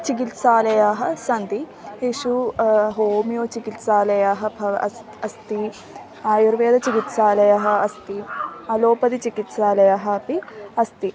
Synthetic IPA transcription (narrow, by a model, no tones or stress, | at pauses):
t͡ʃik̬it̪saːlɐjaːɦɐ̆sɐnd̪i | ɦiʃuɦoːmijoːt͡ʃikit̪saːlɐjaːɦɐ̆bʱɐʋɐʔɐ | ɐst̪i | aːjuɾʋeːd̪ɐt͡ʃikit̪saːlɐjaɦɐ̆ɐst̪iɐloːpɐd̪it͡ʃikit̪saːlɐjaːɦɐpiɐst̪i